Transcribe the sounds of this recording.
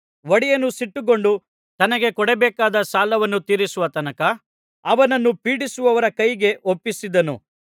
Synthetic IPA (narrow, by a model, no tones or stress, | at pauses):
ʋɐɽijɐnːusiʈːuɡo̞ɳɖu | t̪ɐnɐɡe̞kɔɽɛbɛːkaːd̪ɐsaːlɐʋɐnːut̪iːɾisuʋɐt̪ɐnɐkɐ | ɐʋɐnɐnːupiːɽisuʋɐʋɐɾɐkɐjɡe̞ʔopːisid̪ɐnṵ